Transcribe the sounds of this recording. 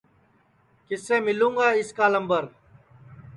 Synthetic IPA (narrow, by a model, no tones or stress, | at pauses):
kɪsẽːmɪlũːŋɡaːɪskaːləmbəɾ